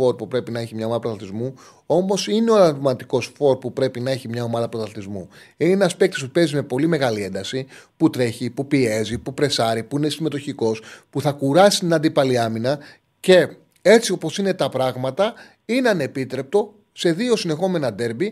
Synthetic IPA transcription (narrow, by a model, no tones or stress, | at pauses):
fo̞ɾpupɾe̞pinɐeçimɲɐomɐðɐpɾoθɐt̪izmu | o̞mo̞sineoɐɾɐɾmɐnt̪iko̞sfo̞ɾpupɾe̞pinɐe̞çimɲɐo̞mɐðɐpɾoθɐθt̪izmṵineenɐspek̚t̪ispupe̞zime̞po̞lime̞ɣɐlie̞nd̪ɐsiput̪ɾe̞çipupie̞zipupɾe̞sɐɾipuine̞sime̞t̪o̞çiko̞spuθɐkuɾɐsi̥t̪inɐnd̪ipɐliɐminɐ | ce̞ | e̞t͡sio̞po̞sine̞t̪ɐpɾɐɣmɐt̪ɐ | ineɐne̞pit̪ɾe̞p̚t̪o̞ | se̞ðio̞sine̞xo̞me̞nɐd̪e̞ɾbi